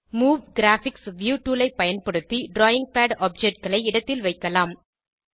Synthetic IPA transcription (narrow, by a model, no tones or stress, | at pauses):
muːʋɡɪɾaːfɪksʋjuːʈuːlɐɪpːɐjɐnpɐɽɯt̪ːiɖɾoːjɪŋɡ̚paːɖɔːp̚d͡ʒɛʈ̚ɡɐɭɐɪɪɽɐt̪ːɪlʋɐɪkːɐlaːm